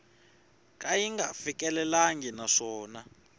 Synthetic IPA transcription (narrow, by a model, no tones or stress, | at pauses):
kʼajiŋɡafik̬ʼɛlɛlaŋɡinaʂɔːna